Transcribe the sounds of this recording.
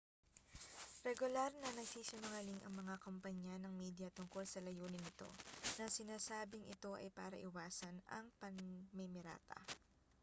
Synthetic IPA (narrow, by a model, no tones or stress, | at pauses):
ɾɛɡʊlaɾnɐnɐɡsiːʃɐmʊŋɐliŋʔɐ̰ŋmɐŋakompɐɲanɐŋmiːd̪jɐt̪ʊŋko̞lsɐlɐjuːnɪnɪt̪o̞̰nɐsɪnaːsaːbɪŋʔɪt̪o̞ʔɐ̰jpaːɾɐʔɪwaːsɐnɐ̰ŋpɐŋmɛmɪɾa̰ːt̪ʰɐ̰